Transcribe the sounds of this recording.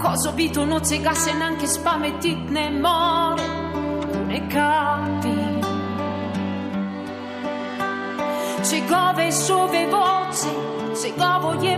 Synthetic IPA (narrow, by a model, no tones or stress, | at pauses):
kɔzobit̪onoseɡasenaŋkespamet̪ːit̪nemːɔɾ | nekːat̪i | seɡɔvesovevɔt̪se | seɡɔvoje